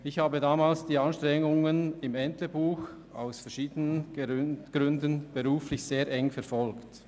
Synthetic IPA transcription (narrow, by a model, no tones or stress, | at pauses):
ɪçhaːbədaːmaːlsd̥iːɑnʃtʁɛŋʊŋənɪmɛnt̪ləbuːx | a̰ʊsfɛɐɾʃiːdənən | ɡ̥ɾʏndənb̥eʁuːflɪçseːɾʔɛŋfɛɾfɔlkt